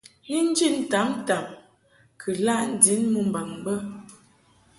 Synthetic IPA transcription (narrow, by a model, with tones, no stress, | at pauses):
i˦n̩˦d͡ʒi˦˨n˨ta˨˦mta˨m | kʰə˨la˦ʔn̩˨di˨˦nmu˨m˨ba˨ŋbə˦